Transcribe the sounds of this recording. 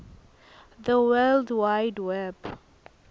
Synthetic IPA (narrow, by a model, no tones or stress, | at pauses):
ðəwɛldwajdwɛb